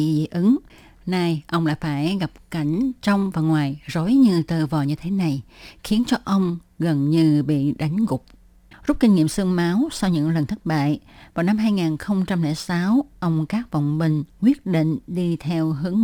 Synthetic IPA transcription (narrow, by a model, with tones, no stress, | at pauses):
ʔɨ˨˦ŋ | na˧˩jʔə˧wŋ͡mla̰ː˧˨jfaː˧˩jɣa˨˩p̚ka˧˩jŋ̟t͡ɕə˧wŋ͡mvaː˨˩ŋwaː˨˩jzo˨˦jɲɨ˧t̪ɨ˨˧˩vɔ˨˩ɲɨ˧t̪ʰe˨˦na˨˩jxi˨˦ənt͡ɕɔ˧ʔə˧wŋ͡m | ɣə˨˩nɲɨ˧ɓḭ˧˨ɗa˨˦jŋ̟ɣʊ˨˩k͡p̚ | zʊ˦˥k͡p̚kï˧ŋ̟ŋḭ˧˨əmsɨ˧ŋmaː˨˦wsa˧wɲɨ̰˧˥ŋlə˨˩nt̪ʰə˦˥t̚ɓa̰ː˧˨jvaː˨˩wna˧mɦaː˧jŋaː˨˩nxə˧wŋ͡mt͡ɕa˧mlɛ˧˩saː˨˦wʔə˧wŋ͡mkaː˦˥k̚və̰˧˨wŋ͡mɓï˨˩ŋ̟kwi˦˥ət̚ɗḭ˧˨ŋ̟ɗi˧t̪ʰɛ˧wɦɨ˨˦əŋ